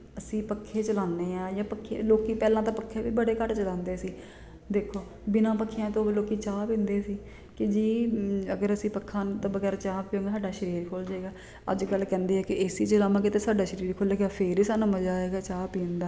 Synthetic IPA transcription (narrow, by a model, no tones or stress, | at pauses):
əsĩːpəkʰːeːt͡ʃəlãːnːeːãːjãːpəkʰːḛːloːkiːpɛːlãːt̪ãːpəkʰːeːbiːbəɽeːkəʈt͡ʃəlãːnd̪eːsiː | d̪eːkʰoː | bɪnãːpəkʰːijãːt̪õːbiːloːkiːt͡ʃaːpɪ̃nd̪eːsiː | kɪd͡ʒiːəɡəɾəsĩːpəkʰːãːt̪õːbəɡɛːɾt͡ʃaːpjõːɡsaːɖaːʃəɾiːɾkʰoːld͡ʒaːeːɡaː | ə̰d͡ʒkəlkɛ̃ːnd̪eːɛːkɪeːsiːt͡ʃəlaːmãːkɪt̪eːsaːɖaːʃəɾiːɾkʰoːleːɡaːpʰeːɾiːsaːnũːməd͡ʒaːeːɡaːt͡ʃaːpiːnd̪aː